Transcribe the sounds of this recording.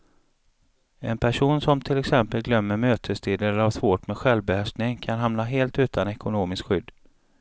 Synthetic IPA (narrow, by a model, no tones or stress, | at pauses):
ɛnpʰæʂuːnsɔmt̪ʰɪlɛksɛmpəlɡlœmːəɾmøːt̪ʰəst̪ʰiːd̪əlavsvoːʈmɛɧɛlvbɛhæʂt̪nɪŋkʰanɦamnaɦeːlt̪ʉ̟ːt̪ʰanɛkʊnoːmɪskɧʏd̪ː